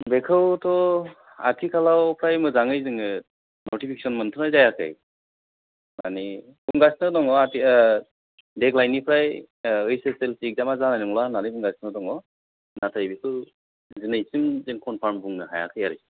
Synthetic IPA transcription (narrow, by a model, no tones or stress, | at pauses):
bɛkʰɯwtʰɔ | a̰tʰikʰalawpʰɾajmɯzaŋɯjzɯŋɯ | nɔtipʰikʰe̥sɔnmɯntʰɯnajzajakʰɯ̰j | na̰ni | b̥uŋɡasnɯdɔŋɔatʰi | dɛklajnipʰɾaj | ɯjseselsik̚damazanajnɯŋlananɯjbuŋɡasnɯdɔŋɔ | natʰajbisɯ | zɯnɯjsɯmzɯnkʰɔnpʰambuŋnɯɦaja̰kʰɯjaɾɯ